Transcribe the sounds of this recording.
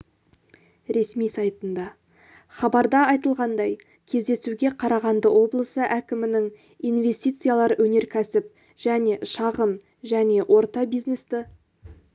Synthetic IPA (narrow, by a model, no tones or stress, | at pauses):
ɾe̞smijsɑjt̪ənd̪ɑ | χɑbɑɾd̪ɑɑjt̪əlˠʁɑnd̪ɑj | kʲʰe̞zd̪e̞suɡʲe̞qʰɑɾɑʁɑnd̪əwo̞blˠəsəʔækʲɪmɪnɪŋ | ijnve̞st̪ijt̪sɨjalˠɑɾwɵne̞ɾkʲʰæsɪp̚ | ʒ̥æne̞ʃɑʁəm | ʒæne̞ʔwʔo̞ɾt̪ɑbijznest̪ɪ